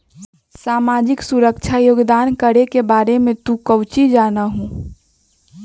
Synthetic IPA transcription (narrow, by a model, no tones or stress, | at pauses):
saːmaːd͡ʒɪksuɾəkt͡ʃʰajoːɡd̪aːnkəɾekebaːɾemẽt̪ũkəʊt͡ʃid͡ʒaːnaɦũː